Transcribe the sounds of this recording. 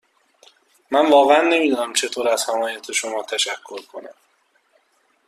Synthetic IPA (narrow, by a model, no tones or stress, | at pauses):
mænvɒːɣeænːe̞miːd̪uːnæmt͡ʃʰe̞t̪ʰoːɾæz̥hæmɒːjæt̪ʰe̞ʃo̞mɒːt̪ʰæʃækʰːo̞ɾkʰo̞næ̰m